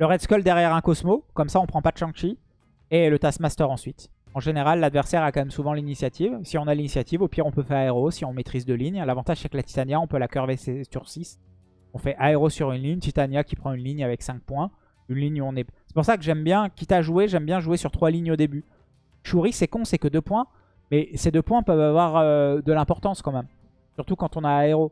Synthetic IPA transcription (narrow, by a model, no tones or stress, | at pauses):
ləʁɛd̪skɔld̪ɛʁjɛʁɛ̃kɔsmokɔmsaɔ̃pχɑ̃pad̪ʃɑ̃t͡ʃi | elət̪asmast̪œʁɑ̃sɥit̪ | ɑ̃ʒeneʁalːad̪vɛʁsɛʁakɑ̃mɛmsuvɑ̃linisjat̪ʰivsiɔ̃nalinisjat̪ivopjiʁɔ̃pøfɛʁaeʁosiɔ̃met̪χizd̪øliɲlavɑ̃t̪aʒsɛklat̪i̥t̪anjaɔ̃pølakœʁvesesyʁsis | ɔ̃fɛʔaeʁosyʁynliɲt̪it̪anjakʲipχɑ̃ynliɲavɛksɛ̃k̚pwɛ̃ | ynliɲɔ̃nɛsɛ̥puʁsakəʒɛmbjɛ̃kʲit̪aʒueʒɛmbjɛ̃ʒuesyʁt̪χwaliɲod̪eby | ʃuʁisɛkɔ̃sɛkəd̪øpwɛ̃ | mɛsed̪øpwɛ̃pœvavwaʁød̪əlɛ̃pɔʁt̪ɑ̃skɑ̃mɛm | syʁt̪ukɑ̃t̪ɔ̃naːeʁo